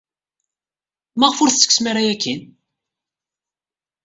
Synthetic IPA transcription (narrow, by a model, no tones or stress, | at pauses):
mæʁfʊɾθt͡sːə̥kːsmiɾæjækːin